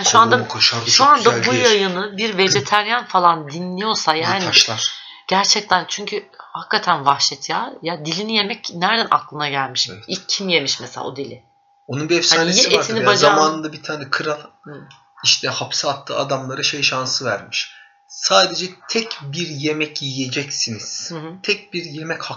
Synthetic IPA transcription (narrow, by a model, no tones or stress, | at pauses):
anʃuand̪akʰaʃaɾʃuand̪abujajɯnɯbiɾve̞d͡ʒet̪ʰæɾjanfalˠand̪inlʲijo̞ɾsajaːniaʃlˠaɾɟ̥æɾt͡ʃʰɛc̚t̪ʰænt͡ʃʰyɲcʰyhakːat̪ʰænvaxʃɛt̪ʰjaːjad̪ilʲinije̞mɛcnæɾd̪ænʔa̰klˠɯnaɟælʲmiʃɛicʰːimje̞miʃmɛselʲa̰od̪ilʲɪ | onunbiɛfsaaːnejiieɾʰinnibaazamaːnɯnd̪abit̪ʰaːnɛkʰɯɾalˠ | iʃt̪ʰɛhapsaat̪ʰːɯ̰ːad̪amlˠaɾaʃejʃansɯvæɾmiʃ | saːd̪e̞d͡ʒɛt̪ʰɛcbiɾje̞mɛcjije̞d͡ʒɛcsiniz̥t̪ʰɛc̚biɾjemɛcha